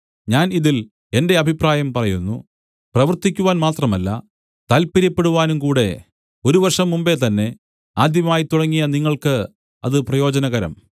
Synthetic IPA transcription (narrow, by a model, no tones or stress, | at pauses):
ɲaːniðil | e̞nde̞ɐbʱipraːjɐmpɐrɐjunːu | prɐʋɐrt̪ikʲːuʋaːnmaːt̪rɐmɐlːɐ̰ | t̪ɐlpiɾɐpːe̞ɽuʋaːnumkuːɽe̞ | o̞ɾuʋɐrʂɐmːumbe̞t̪ɐnːe̞ | aːd̪jɐmaːjit̪uɽɐŋːijɐniŋːɐɭkɨ | ɐ̰ðɨprɐjo̞ːd͡ʑɐnɐɣɐɾɐ̰m